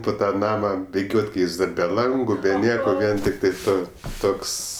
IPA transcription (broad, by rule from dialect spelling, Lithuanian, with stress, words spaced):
pʊ ˈtɑː ˈnɑːmɐ bʲɪˈɡʲoːtʲ ˈkɐɪ ˈjɪs dɐr bʲɛ ˈlˠɐŋɡʊ bʲɛ ˈnʲiɛkoː ˈʋʲiɛn tʲɪkˈtɐɪ ˈtoːs ˈtoːks